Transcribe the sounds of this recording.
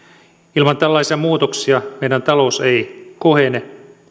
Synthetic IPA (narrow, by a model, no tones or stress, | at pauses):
ilmɑnt̪ælːɑisiɑmuːt̪oksiɑmeidænt̪ɑlouseikohene